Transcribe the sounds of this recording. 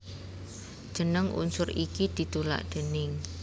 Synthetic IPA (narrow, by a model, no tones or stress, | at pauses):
d̥ʒ̥ə̤nəŋʔṵnsʊɾʔikid̪̥i̤t̪ula̰ʔd̪̥e̤nɪŋ